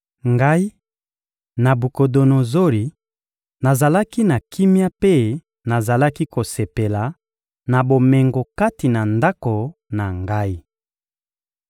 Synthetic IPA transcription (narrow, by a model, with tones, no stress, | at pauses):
ŋɡa˦i˦ | na˨bu˨ko˨do˨no˨zo˦li˨ | na˨za˨la˦ki˦na˨kʰi˦mja˦pe˦ | na˨za˨la˦ki˦ko˨se˨pe˨la˨ | na˨bo˨mɛ˨ŋɡo˨ka˦ti˨na˨nda˦ko˨na˨ŋɡa˦i˦